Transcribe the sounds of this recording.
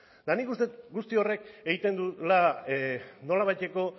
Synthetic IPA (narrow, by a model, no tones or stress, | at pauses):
d̪̥anikust̪e̞t̪ɡust̪io̞re̞keɣit̪e̞nd̪ula | no̞laβajt̪e̞ko̞